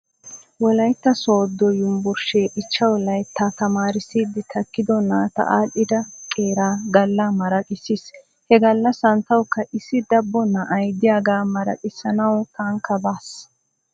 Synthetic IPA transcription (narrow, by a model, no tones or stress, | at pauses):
wɔlɐjt̪ːɐsoːd̪ːɔjʊmbʊɾʃeːʔɪt͡ʃːɐwlɐjt̪ʰːɐt̪ɐmaːɾɪsiːd̪ːɪt̪ʰɐkːɪd̪ɔnːaːt̪ɐ̰ʔaːʔɪd̪ɐkʼeːɾaːɡɐlːɐmɐɾɐkʼɪsis | hɛɡɐlːɐsɐnt̪ːɐwkːɐʔɪsːɪd̪ɐbːɔnːɐʔɐjd̪ɪjaːɡaːmɐɾɐ̰kʼɪsːɐnɐwt̪ɐŋkːɐbaːs